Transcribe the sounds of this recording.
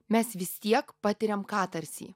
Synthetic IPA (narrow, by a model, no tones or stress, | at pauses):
mʲɛsʋʲɪsʲt̪ʲiɛkpɑːt̪ʲɪɾʲɛmkɑːt̪ɐɾʲsʲḭː